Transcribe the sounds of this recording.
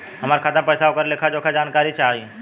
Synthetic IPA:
ɦɐmaːɾkʰət̪əmpɛːjsaokəɾlekʰad͡ʒoːkʰad͡ʒaːnkaːɾit͡ʃaːɦi

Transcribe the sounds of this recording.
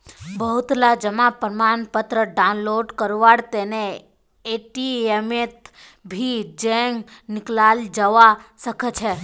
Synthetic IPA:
bəɦut̪lad͡ʒəmapəɾmanpət̪ɾəɖanloɖkəɾʋaɽt̪ene | eʈiemet̪ | bʱid͡ʒeŋɡnɪklald͡ʒəʋasəkʰət͡ʃʰe

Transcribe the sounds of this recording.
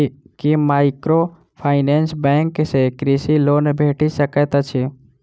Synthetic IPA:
kimaːɪkɾo | pʰaːɪnensbɛ̃ːŋksekɾisiloːnbʱeːʈisəkət̪at͡ʃʰi

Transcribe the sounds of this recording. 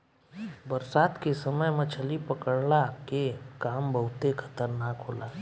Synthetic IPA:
bəɾsaːt̪kesəməjmɐt͡ʃʰəlipəkəɽɽakekaːmbəɦʊt̪ekʰə̥t̪əɾnakɦoːlaː

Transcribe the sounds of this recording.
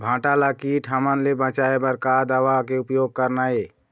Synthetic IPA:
bʱãːʈalakiʈɦəmənlebə̃t͡ʃaebəɾkad̪əʋakeupjoɡ̚kəɾnae

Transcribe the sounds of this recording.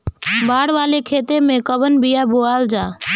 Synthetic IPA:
baːɽʋaːleːkʰeːt̪eːmẽːkəʋənbʱɪjaːboːaːld͡ʒaː

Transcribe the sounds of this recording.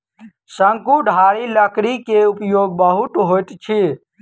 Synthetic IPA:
səŋkuɖʱaːɾiləkɾikeʊpjoːɡ̚bəɦʊt̪ɦoːjt̪t͡ʃʰi

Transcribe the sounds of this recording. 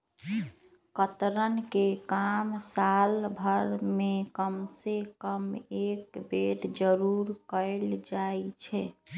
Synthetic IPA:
kət̪ɾənkekamsalbʱəɾmekəmsekəmekbeʈd͡ʒəɾuɾkəɪld͡ʒajt͡ʃʰɛ

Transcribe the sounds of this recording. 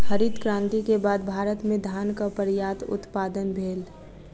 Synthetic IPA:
xəɾid̪kɾãːnt̪ikebaːd̪bʱaːɾət̪mẽd̪ʱaːnkapəɾjaːt̪ʊ̰t̪paːd̪ənbʱeːl

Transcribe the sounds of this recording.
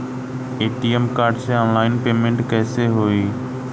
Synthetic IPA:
eːʈiːemkaːɾɖseɔːnlaːɪnpeːmẽɳʈkɛːseɦoːiː

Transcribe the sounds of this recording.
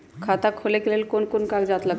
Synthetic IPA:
kʰat̪akʰolekelelkonkonkaɡd͡ʑat̪la

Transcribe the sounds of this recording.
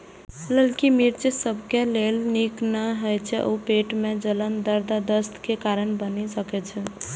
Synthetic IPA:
ləlkimiɾt͡ʃisəbʱkelelniknaɦojt͡ʃʰɛʔoupeʈmed͡ʒələnd̪əɾd̪ad̪əst̪kekaɾənbənisəkɛt͡ʃʰɛ

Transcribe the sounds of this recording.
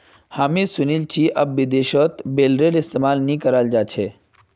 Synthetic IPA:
haːmisʊnilt͡ʃiːʔɐbːid̪eːʃɔt̪beːlɾeːlɪst̪emaːlnĩkəɾald͡ʒaːt͡ʃʰeː

